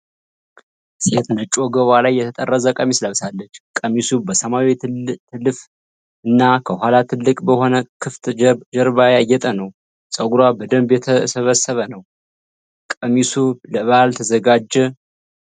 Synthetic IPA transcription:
set̪ʼnət͡ʃʼoɡəβalajːɛt̪ʰət̪ʼərːəzəkʼəmisləβsalːət͡ʃːkʼəmisubəsəmawit̪ʰɨlːɨf | ɨnːakʰəhʷalat̪ʰɨlːɨkʼbəho̞nəkʰɨft̪d͡ʒəɾβajajːɛt̪ʼənəw | sʼəɡuɾwabəd̪əmbjɛt̪ʰəsəβəsːəβənəw | kʼəmisuləβalt̪ʰəzəɡad͡ʒːɛ

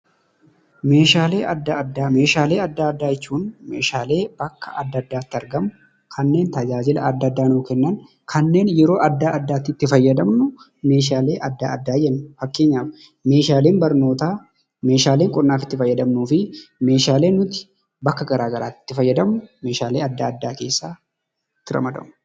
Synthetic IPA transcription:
me̞ːʃaːle̞ːʔɐd̪ːaɐd̪ːaːme̞ːʃaːle̞ːɐd̪ːaɐd̪ːaːjɛt͡ʃːuːnmḛːʃaːle̞ːb̥ɐkːɐʔɐd̪ːɐd̪ːaːt̪ːɪɐɾɡɐmʊ | kʰɐnːe̞ːnt̪ɐd͡ʒaːd͡ʒɪlɐ̰ɐd̪ːɐd̪ːaːnoːkɛnːɐn | kʰɐnːe̞ːnjɛɾo̞ːʔɐd̪ːaːɐd̪ːaːt̪ɪt̪ːɪfɐjːɐd̪ɐmnʊ | me̞ːʃ̬aːle̞ːʔɐd̪ːa̰ːɐd̪ːaːjɛnːʊfɐkːe̞ːɲːaːf | me̞ːʃaːle̞ːmbɐɾno̞ːt̪aː | me̞ːʃaːle̞ːŋkʼɔnːaːfɪt̪ːɪfɐjːɐd̪ɐmnuːfɪme̞ːʃaːle̞ːnʊt̪ɪ̥ | bɐkːɐɡɐɾaːɡɐɾa̰ːt̪ːɪ̥t̪ːɪfɐjːɐd̪ɐmʊme̞ːʃaːleːɐd̪ːaːd̪ːaːke̞ːsːaː | ɪt̪ːɪɾɐ̰mɐd̪ɐ̰mʊ

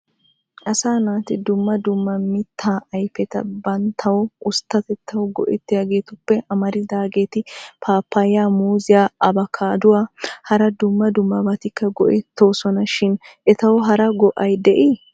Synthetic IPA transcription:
ʔɐsaːnaːt̪ɪd̪ʊmːɐd̪ʊmːɐmɪt̪ʰːaːʔɐjfɛt̪ɐ̰bɐnt̪ʰɐwɔʔʊst̪ːɐt̪ɛt̪ʰːɐwɔɡɔʔɛt̪ːɪjaːɡe̞ːt̪ʊpːɛʔɐmɐɾɪd̪aːɡe̞ːt̪ɪpʰaːpːajɪjaːmuːzɪjaːɐbɐkʰaːd̪ʊwaːhɐɾɐd̪ʊmːɐd̪ʊmːɐbɐt̪ɪkːɐɡɔʔɛt̪ːo̞ːsɔnɐʃɪnʔɛt̪ɐwɦɐɾɐɡɔʔɐjd̪ɛʔiː

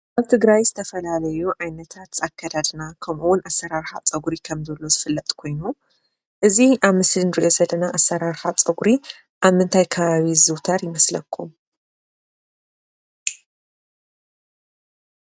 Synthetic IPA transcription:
ʔaβt̪ʰɨɡɾajzɨt̪ʰɐfɐlalɐjuʕajnɐt̪ʰat̪zakʰːad̪ad̪nakʰɐmʔuwʊnʔasːɐɾaɾħa̰t͡sʼɐɡuɾikʰɐmzɐlːo̞zɨfɨlːɐt̪ʼkʰo̞jnu | ʔɨziʔaβmɨslinɨɾiʔo̞zɐlɐnaʔasːɐɾaɾħat͡sʼɐɡuɾi | ʔaβmɨnt̪ʰajkʰɐβaβizɨwt̪ʰɐɾjɪmɐslɐkʰːum

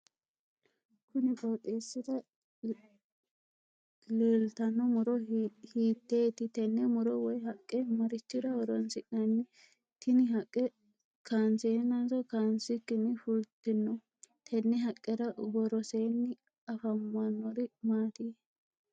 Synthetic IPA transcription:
kʊnɪkʼoːt̪ʼːeːsːɪd̪ɐ | leːlt̪ɐnːɔmʊɾɔhiːt̪ːeːt̪ɪt̪ɛnːɛmʊɾɔwɔjɦɐkʼːɛmɐɾɪt͡ʃːɪd̪ɐwɔɾɔnsɪʔnɐnːɪ | t̪ɪnɪɦɐkʼːɛ | kaːnsenasɔkansɪkːɪnːɪfʊlt̪ːɪnːɔ | t̪ʰɛnːɛɦɐkʼːɛɾɐɡɔɾɔseːnːɪ | ɐfɐmːɐnːɔɾɪmaːt̪ɪ

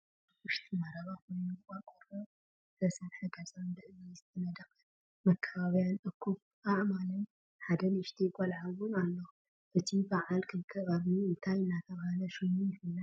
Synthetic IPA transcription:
wɨʃt̪ʰimaɾɐβaxo̞jnɨkʼaɾkʼoɾo | ɨt̪ʰɐsɐnħɨɡazʼad̪ɨʕnizɨt̪ʰɐnɐd̪ɐkʼ | mɐkʰːɐβaβjanʔʼɨkʰːuβ | ʔaʔmalɐm | ħad̪ɐlɨʃt̪ʰijkʼɐlʕawunalːo | ʔɨt̪ʰibaʕalkʰɨnkʰɐβaβiɨnt̪ʰajɨnːat̪ʰɐβhalɐʃojnujɪfɨlːa

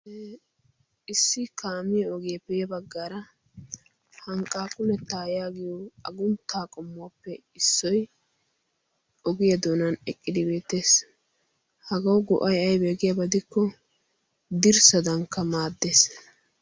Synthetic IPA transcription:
ɪsːɪkaːmɪjɐɔɡɪjɐpɛjɐbɐɡːaːɾɐ | hɐŋkʼːaːkʼʊlɛt̪ːaːjaːɡɪjɔɐɡʊnt̪ːaːkʼɔmːʊwapːɛ | ɪsːɔj | ɔɡɪjɐd̪oːnɐnɛkʼːɪd̪ɪbe̞ːt̪ːe̞ːs | hɐɡɐwɔɡɔ̰ʔɐjɐjbe̞ːɡɪjɐbɐd̪ɪkːɔ | d̪ɪɾsɐd̪ɐŋkːɐmaːd̪ːeːs

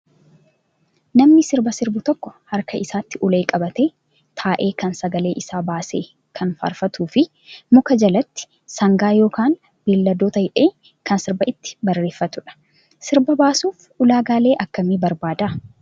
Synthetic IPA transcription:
nɐmnɪsɪɾbɐsɪɾbʊt̪ɔkːɔ̥hɐɾkɐʔɪsaːt̪ːɪʔʊle̞ːkʼɐbɐt̪eː | t̪ʰaːʔe̞ːkɐnsɐɡɐle̞ːʔɪsaːbaːseː | kʰɐnfa̰ːɾfɐt̪uːfɪ | mʊkɐd͡ʒɐlɐt̪ːɪ̥ | sɐŋɡaːjo̞ːkaːn | b̥ilːɐd̪oːt̪ɐhɪᶑeː | kɐnsɪɾbɐɪt̪ːɪ̥bɐrːe̞ːfːɐt̪ʊᶑɐ̥ | sɪɾbɐbaːsuːf | ʊlaːɡaːle̞ːʔɐkːɐmibɐɾbaːd̪ɐ

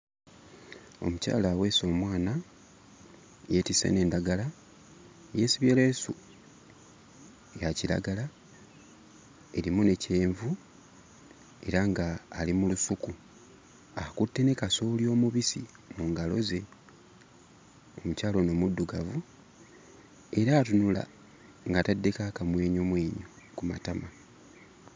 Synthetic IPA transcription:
o̞̰muca̰ːlaːwe̞ːso̞ːmwaːna | jetisḛne̞ːndaɡala | jesiβjeleːsṵ | jaciɾa̰ɡala | e̞ɾimune̞ce̞ːɱvu | e̞̰ɾaŋɡaːlimulusuku | akutːe̞ne̞kaso̞ljo̞ːmuβisḭ | muːŋɡalo̞̰ze̞ | omucaːlo̞no̞mudːuɡavu | e̞ɾaːtunula̰ | ŋɡatadːe̞kakamwe̞ːɲomwe̞ːɲo | kuma̰tama

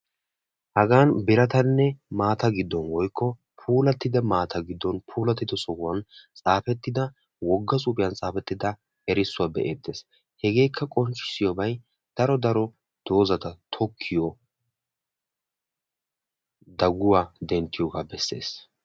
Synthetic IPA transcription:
hɐɡaːnbɪɾɐt̪ɐnːɛmaːt̪ɐɡɪd̪ːɔnwɔjkʰːɔ | pʰuːlɐt̪ːɪd̪ɐmaːt̪ʰɐɡɪd̪ːɔnpʰuːlɐt̪ːɪd̪ɔsʼɔwwɐnt͡sʼaːfɛt̪ːɪd̪ɐ | wɔɡːɐs̬ʼuːpɪjɐnt͡sʼaːfɛt̪ːɪd̪ɐ | ɛɾɪsːʊwabɛʔeːd̪ːe̞ːs | hɛɡe̞ːkʰːɐkʼɔnt͡ʃːɪ̥sɪjɔbɐj | d̪̥ɐɾɔd̪ɐɾɔ | d̪̥o̞ːzɐt̪ɐt̪ʰɔkʰːɪjɔ | d̪ɐɡʊwaːd̪ɛnt̪ːɪjɔːɡaːbɛsːe̞̰ːs

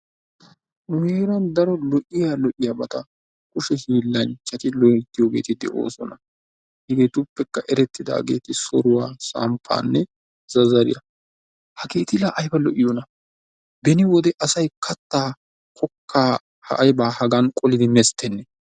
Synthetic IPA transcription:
meːɾɐnd̪ɐɾɔlɔʔɪjaːlɔʔɪjaːbɐt̪ɐ | kʼʊʃɛhiːlːɐnt͡ʃːɐt̪ɪlɔt̪ːɪjoːɡḛːt̪ɪd̪ɛʔo̰ːsɔnɐ | hɪɡeːt̪ʊpːɛkːɐʔɛɾɛt̪ːɪd̪a̰ːɡe̞̰ːt̪ɪsɔɾʊwaːsa̰ːmpʰːa̰ːnːɛ | z̥ɐzɐɾɪ̰jɐ | hɐɡeːt̪ɪlaːʔɐjbɐlɔʔɪjɔnɐ | bɛnɪwɔd̪ɛʔɐsɐjkʰɐt̪ːaː | kʰɔkːaː | hɐ̰ʔɐjbaːhɐɡɐnkʼɔlɪd̪ɪmɛst̪ːɛnːɛ

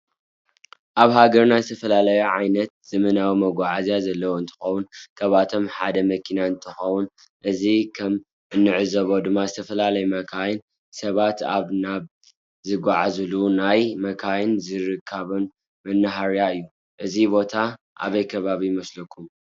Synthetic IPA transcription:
ʔaβɦaɡɐɾnazɨt̪ʰɐfɐlalɐjuʕajnɐt̪̚z̥ɨmɐnawimɐɡʷaʕazjazɐlːɐwoɨnt̪ʰɨ̥xɐwunkʰɐβat̪ʰo̞mħad̪ɐmɐkʰinaɨnt̪ʰɨxɐwun | ʔɨzikʰɐm | ɨnːɨʕɨzɐβo̞d̪ɨmːazɨt̪ʰɐfɐlalɐjumɐkʰajn | sɐβat̪a̰βnaβ | zɨɡʷaʕazɨlunajmɐkʰajnzɨɾɨkʰːaβɐn | mɐnːɨɦaɾjaɨjːu | ʔɨzibo̞t̪ʰa | ʔa̰βɐjkʰɐβaβijɪmɐslɐkʰːum

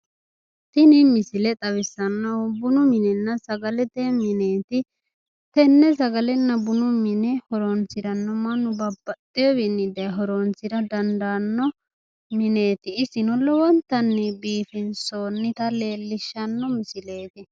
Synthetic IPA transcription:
t̪ɪnɪmɪsɪlɛt̪ʼɐwɪsːɐnːɐwbʊnʊmɪnɛnːɐsɐɡɐlɛt̪ɛmɪneːt̪ɪ | t̪ɛnːɛs̬ɐɡɐlɛnːɐbʊnʊmɪnɛhɔɾɔnsɪɾɐnːɔmɐnːʊbɐbːɐt̪ʼːɪjɔbɪnːɪd̪ɐjɦɔɾɔnt͡sːɪdɐd̪ɐnd̪anːɔ | mɪne̞ːt̪ɪːsɪnɔlɔwɔnt̪ːɐnːɛbiːfɪnsoːnːɪt̪ɐle̞ːlːɪʃːɐnːɔmɪsɪle̞ːt̪ɪ

